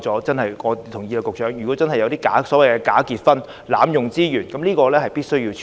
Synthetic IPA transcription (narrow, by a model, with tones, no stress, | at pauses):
t͡sɔː˨˥t͡sɐ˥nhɐ˨jŋɔː˨˧t̪ʰʊ˨˩ŋjiː˧lːkːʊ˨k̚t͡ʃœː˨˥ŋjyː˨˩kɔː˨˥t͡sɐ˥nhɐ˨jɐ˧wt̪iː˥kaː˨˥sɔː˨˥wɐ˨jkɛ˧kaː˨˥kiː˨t̚fɐ˥n | laː˨˥mjʊ˨ŋt͡siː˥jyː˨˩nkɐ˨˦mliː˥kɔː˧lɛː˥hɐ˨jpiː˥t̚sɵ˥ɥjiː˧wt͡ʃʰ